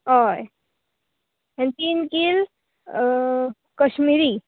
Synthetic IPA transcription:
ɦoj | ent̪inkil | kəʃmiɾi

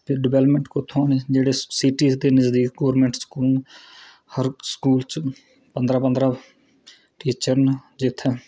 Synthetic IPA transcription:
pʰɪɖɪʋɛːləpmẽɳʈkʊt̪ʰːoːned͡ʒeːɽeːsiʈiːsd̪eːnəzd̪iːkɡoːɾmẽːɳʈskuːl | həɾskuːlt͡ʃ | pənd̪ɾaːpənd̪ɾaː | ʈiːt͡ʃəɾnd͡ʒɪt̪ʰː

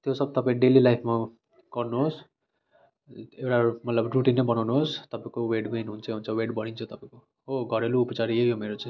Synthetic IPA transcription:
t̪josʌb̚t̪ʌpãĩɖelilajpʰma | ɡ̥ʌrnuɦos | ewʈamʌt̪lʌbruʈinnʌ̃bʌnawnuɦost̪ʌpãĩkoweɖɡejnɦunt͡sʰʌɦunt͡sʰʌweɽbʌɽ̃int͡sʰʌt̪ʌpãĩko | ɦoɡʱʌɾeluːpʌt͡saɾejomeɾot͡sʌ̃

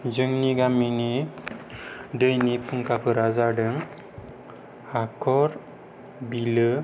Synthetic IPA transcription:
d͡ʒɯŋniɡamini | dəjnipʰuŋkapʰɯɾazaɖɯŋ | hakʰɔɾ | bilə

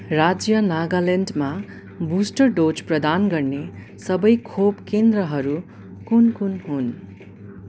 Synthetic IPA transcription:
rad͡zjʌnaɡalenɖma | busʈʌrɖot͡ʃprʌd̪anɡʌrne | sʌbʌjkʰobkend̪rʌɦʌɾu | kunkunɦun

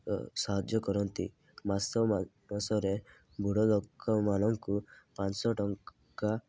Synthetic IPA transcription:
saɦad͡ʒjɔkɔɾɔnt̪ḭ | masɔ | asɔɾe | bʱuɽɔlɔkɔmanɔŋkupansɔʈɔŋ | ka

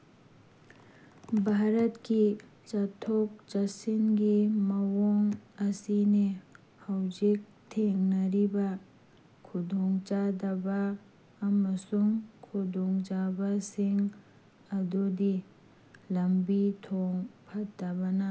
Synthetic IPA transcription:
bʱaɾət̪ki | t͡ʃat̪ʰɔk̚t͡ʃɐsinɡimɐwɔŋɐsine | hawd͡ʒik̚ | t̪ʰeŋnɐɾiba | kʰud̪ʱɔŋt͡ʃad̪abaː | mɐsuŋkʰud̪ʱɔŋd͡ʒabasiŋ | ɐd̪od̪i | lɐmbit̪ʰɔŋpʰɐt̪̚d̪abana

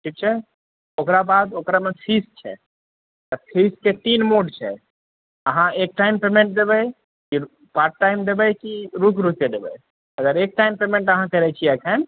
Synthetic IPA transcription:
ʈʰik̚t͡ʃʰɛ | okɾabad̪okɾamepʰist͡ʃʰɛ̰ | t̪əpʰisket̪inmoɖt͡ʃʰɛ̰ | əɦãek̚ʈajmpemẽɳʈ̚d̪ebɛj | ki | paɾʈːajmd̪ebɛjkiɾukɾuked̪ebɛ̰ | əɡəɾek̚ʈajmpemẽɳʈəɦãkəɾɛt͡ʃʰiɛkʰən

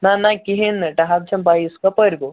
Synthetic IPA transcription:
nanakiɦinʈɐɦab̚t͡ɕʰɐmbaiskapəɾɡo

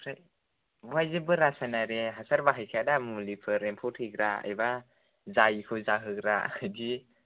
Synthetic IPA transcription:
ɾaj | wajzɯbɯɾasajnaɾeɦasaɾbaɦajkʰadamulipʰɯɾempʰɔtʰhɯɡɾaa̰jba | zajkʰɯzaɦɯɡɾaajdi

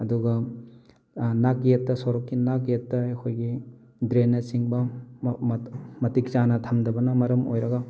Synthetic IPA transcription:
ɐduɡɐ | nakjetːɐsoɾɔkːinakjetːɐekʰojɡi | dɾenːɐt͡ʃiŋbɐ | mɐtik̚t͡ʃanɐtʰɐmdɐbɐnɐmɐɾɐmo̰jɾɐɡɐ

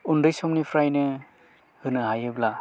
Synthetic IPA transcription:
undɯjsɔmnipʰɾajnɯ | hɯnɯɦajɯbla

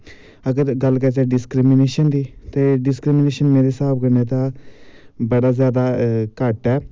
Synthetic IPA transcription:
əɡəɾɡəlkət͡ʃɛːɖɪskɾimɪneːʃənd̪iːt̪eːɖɪskɾimɪneːʃənmeːɾesaːp̚ʰkəɾneːt̪ãː | bəɽaːzjaːd̪aːkaːʈɛː

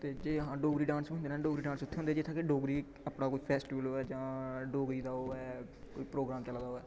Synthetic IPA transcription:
t̪eːd͡ʒeːəɦãːɖoːɡɾiːɖãːnsɦʊnd̪eːnɛ̃ːɖoːɡɾiːɖãːnsʊt̪ʰːeːõnd̪eːd͡ʒɪt̪ʰːaːkeɖoːɡɾiː | əpɳaːkoːiːpʰɛːsʈiʋəloːɛːd͡ʒãːɖoːɡɾiːd̪aːoːɛː | ko̰ːiːpɾoːɡɾaːmt͡ʃəld̪aːoːɛː

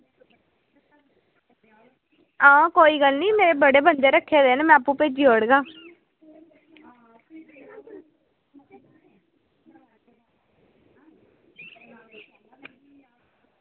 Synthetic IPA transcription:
ãːkoːiːɡəlniːmeːɾeːbəɽeːbənd̪eːɾəkʰːeːd̪eːnmɛ̃apũːpeːd͡ʒiːɦoːɽɡaː

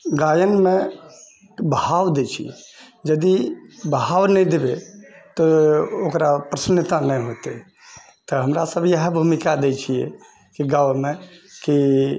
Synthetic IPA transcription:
ɡajənmẽ | bəawd̪et͡ʃʰḭɛ̰ | d͡ʒəd̪ibəɦawnɛid̪ebet̪ɔokɾapɾəsənjət̪anɛjɦot̪e | t̪ɔɦəmɾasəbʱjəɦbʱumikad̪et͡ʃʰijɛ̰ | kiɡawmẽki

